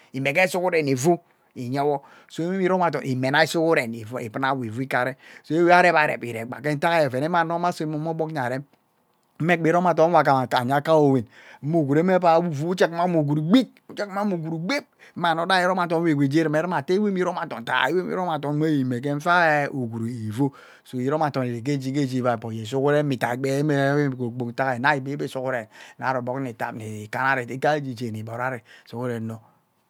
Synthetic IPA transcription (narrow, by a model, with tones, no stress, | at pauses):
i˨me˨ke˦su˦ku˦ɾe˨ni˨vu˦ | i˨ɲe˦wɔ˦ | so˦e˦i˦ɾo˦ma˨tɔ̰˨nʔi˨me˨na˦i˦su˦ku˦ɾe˨ni˨˦ḭ˨pna˦˨wi˨vu˦i˦ka˨ɾe˦so˦e˦we˦a˦ɾe˦ba˨ɾḛ˨pḭ˨ɾḛ˨ɡ͡ba̰˨ke˦n̩˦ta˦ka˦je˨ve˨ne˦ma˨no˦ma˦so˦mo˦mo˦bo˦kɲ˨a˨ɾe˦m | m̩˦e˦k͡pe˨˦ɾo˦ma˨t̬o˦a˨ka˨ma˨a̰˨ɲa˦ka˦o˨we˨n | m̩˦o˦˨ɡu˨ɾe˦me˦pa˨wu˦vu˦u˦t͡ʃe˦kma˦mu˨ɡu˨ɾi˨ɡ͡bi˦t̚u˦t͡ʃe˦kma˦mu˨ɡu˨ɾi˨ɡ͡be˦p̩̚˦ma˨no˨˦da˦i˦ɾo˦ma˨tɔ˨n˦e˨ɡʷe˨d͡ʒe˦ɾi˨me˨˦ɾi˦ma˨te˦we˦m˦i˦ɾo˦ma˨tɔ˨n˨ta̰˨i˦we˦ḭ˦ɾo˦ma˨to˨˦e˦ji˨me˨k̬e˦ɱ̩˦fa˦e˦o˨ɡu˨ɾi˨vo˦ | so˨i˨ɾo˦ma˨tɔ˨n˨e˨ɾe˨k̬e˦d͡ʒi˦k̬e˦d͡ʒi˦˨va˨po˨je˨s̬o˦ke˦ɾe˦mi˨ta˨ɡ͡be˦me˦e˦˨ko˨k͡po˨kta˦ke˨na˦i˨be˦be˦so˦kɾe˨n˨a̰˨ɾo˨bo˦kni˨ta̰˨pni˨ka˦na˦ɾe˨ti˦ka˦d͡ʒi˨d͡ʒe˨ni˨bo˨ɾa˦ɾe˨so˨ke˦ɾe˨no˨